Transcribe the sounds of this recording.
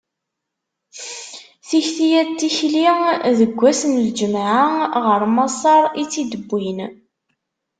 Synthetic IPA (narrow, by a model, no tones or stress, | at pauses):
θiçθijæt̪ːiçliŋðəɡʷːæsənld͡ʒəmʕaʁəɾˤmɑsˤɑɾˤit͡sːid̪əbːin